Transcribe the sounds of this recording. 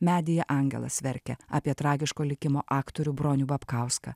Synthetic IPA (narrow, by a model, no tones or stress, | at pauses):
mʲæːd̪ʲɪjɛʔɐŋʲɡʲɛ̰lˠɐ̰sʋʲɛɾʲkʲɛ̰ɑːpʲiɛt̪ɾɑːɡʲɪʃkoːlʲɪkʲɪmoːʔɑːkt̪oɾʲubɾoːnʲubɐpkɑˑʊskɐ̰